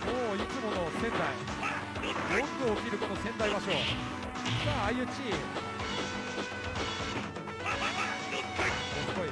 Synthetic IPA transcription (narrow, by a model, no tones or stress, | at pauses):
moːit͡sɨmo̞no̞sẽ̞nd̪ai | d̪õnd̪oːkʲiɾɯ̟konosẽ̞nd̪aimaɕo̞ː | ɡaːjɯ̟t͡ɕi | opoi